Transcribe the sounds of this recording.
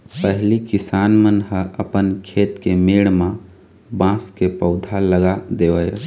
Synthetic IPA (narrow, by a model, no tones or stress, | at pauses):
pəɦlikisanmənɦəʔəpənkʰet̪kemeɽmã | bãskepəʊd̪ʱaləɡad̪eʋəj